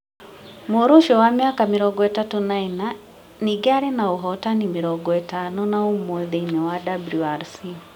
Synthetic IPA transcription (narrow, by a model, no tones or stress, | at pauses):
muɾuʃɔwamiakamiɾɔɡɔɛtatunaina | niɡaɾinauɦɔtanimiɾɔɡɔɛtanɔnaumwɔðinɛwadabluaɾsi